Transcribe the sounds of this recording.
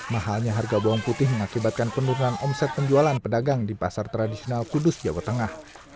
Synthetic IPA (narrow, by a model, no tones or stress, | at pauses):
maɦalɲaɦarɡaboɔŋput̪ɪhməŋakibat̪̚kanpənuɾunanʔɔmsɛt̪̚pəɲd͡ʒualanpədaɡaŋdipasart̪ɾadisionalkudʊsd͡ʒawat̪ːəŋah